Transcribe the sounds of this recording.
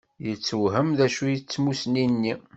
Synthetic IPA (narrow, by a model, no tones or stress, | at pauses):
jət͡sːəwɦəmðæʃujət͡sːmusninːi